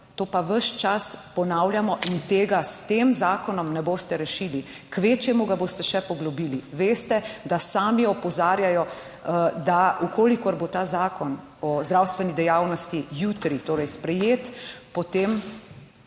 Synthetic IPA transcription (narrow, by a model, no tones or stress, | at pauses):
t̪oːpaʋəʃt͡ʃaspɔnaːwljamɔʔint̪eːɡast̪emzaːkɔnɔmnɛboːst̪ɛɾɛʃiːli | kʋeːt͡ʃeːmuɡaboːst̪ɛʃɛpɔɡlɔbiːliʋeːst̪ɛd̪asaːmiɔpɔzaːɾjajɔ | d̪aukʰoːlikɔɾbot̪aːzaːkɔn | ɔzd̪ɾaːwst̪ʋɛnid̪ɛjawnɔst̪ijuːt̪ɾit̪oːɾɛjspɾɛjeːt̪pɔt̪eːm